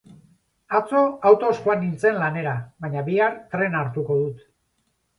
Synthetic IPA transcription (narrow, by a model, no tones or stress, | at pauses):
at͡so̞awt̪o̞sʝuanint͡se̞nlane̞ɾaβaɲaβiaɾt̪ɾe̞naɾt̪uko̞ð̞ut̪